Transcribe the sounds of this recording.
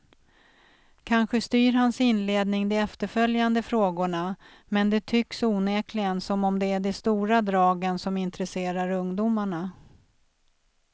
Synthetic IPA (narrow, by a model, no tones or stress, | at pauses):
kʰanɧəst̪yːɾɦansɪnleːd̪nɪŋd̪ɔɛft̪əɾfœljand̪əfɾoːɡʊɳa | mɛnd̪ɛt̪ʰʏksuːneːklɪɡənsɔmɔmd̪ɛæɖɛst̪uːɾad̪ɾɑːɡənsɔmɪnt̪ɾɛseːɾaɾɵŋd̪umaɳa